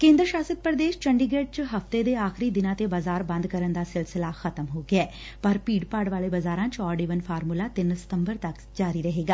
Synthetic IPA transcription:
kẽːnd̪ɾəʃaːsət̪̚pɾɐd̪eːʃt͡ʃɐɳɖiɡeɖ̚t͡ʃɦɐft̪ed̪eaːxɾid̪ɪnaːt̪ebɐzaːɾbɐ̃nd̪kɐɾənd̪aːsɪlsɪlaxɐt̪əmɦoːɡjɛː | pɐɾpiːɖpaːɖʋaːɭebɐzaːɾãːnt͡ʃɔːɾɖeʋənfʰaːɾmulat̪ɪnsɐ̥t̪əmbəɾt̪ɐk | d͡ʒaːɾiɾɐɦeːɡaː

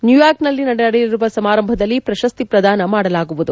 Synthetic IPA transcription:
njujaːɾknɐlːinɐɽɛɐɽɛjiɾuʋɐsɐmaːɾɐmbʱɐd̪ɐlːipɾɐʃɐst̪ipɾɐd̪aːnɐmaːɽɐlaːɡuʋud̪u

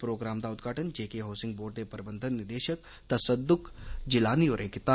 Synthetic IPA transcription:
pɾoːɡɾaːmd̪aʊd̪ɡʱaːʈənd͡ʒeːkeɦoːsɪ̃ŋɡboːɾʈ̚d̪epɐɾɪbə̃nd̪ʱənːɪɾd̪eːʃək̚ | t̪ɐsəd̪ːʊkd͡ʒɪlaːnioːɾʔẽkɪt̪aː

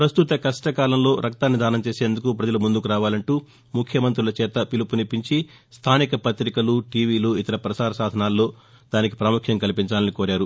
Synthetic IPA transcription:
pɾɐst̪ut̪ɐkɐʂʈɐkaːlɐmlo̞ːɾɐkt̪aːnːid̪aːnɐmt͡ʃeːseːnd̪ukupɾɐd͡ʒɐlumund̪ukuɾaːʋaːlɐɳʈuː | mukʰjɐmɐnt̪ɾilɐt͡ʃɛːt̪ɐpilupunipiɲt͡ʃi | st̪ʰaːnikɐpɐt̪ɾikɐluʈiːʋiːluit̪ɐɾɐpɾɐsaːɾɐsaːd̪ʱɐnaːlːo̞ː | d̪̥aːniki̥pɾaːmukʰjɐŋkɐlipiɲt͡ʃaːlɐnikoːɾaːɾu

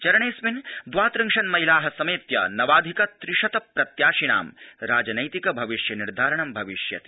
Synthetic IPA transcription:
t͡ʃɐɾɐɳeːsʋind̪ʋaːt̪ɾɐŋʂɐnmɐɦilaːɦɐsɐmeːt̪jɐ̰nɐʋaːd̪ʱikɐt̪ɾɪʃɐt̪ɐpɾɐt̪jaːʃina̰ːmɾaːd͡ʒɐnɐjt̪ikɐbʱɐʋiʃjɐniɾd̪ʱaːɾɐɳɐmbʱɐʋiʃjɐ̰t̪i̥

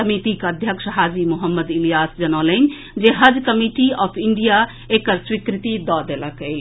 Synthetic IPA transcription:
əmit̪ikəd̪ʱjəkʂəɦaːd͡ʒimuɦəmːəd̪ilijaːsd͡ʒənələn | d͡ʒeɦəd͡ʒkəmiʈiɔːpʰiɳɖija | ekəɾswikɾit̪id̪ɔd̪eləkəl

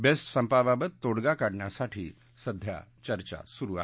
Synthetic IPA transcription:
bessəmpababət̪ːoɽɡakaɽɳjasaʈʰiː | səd̪ʱja̰t͡ɕəɾt͡ɕa̰suɾua̰

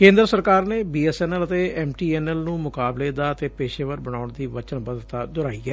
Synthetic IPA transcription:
kẽːnd̪ɾəsəɾkaːɾneːbiːɛːsɛːnɛlət̪eːɛːmʈiːɛːnɛlnũːmʊkaːbleːd̪aːət̪eːpeːʃeːʋəɾbəɽaːʊɳd̪iːʋət͡ʃənbəd̪ət̪aːd̪ʊɾaːiɛː

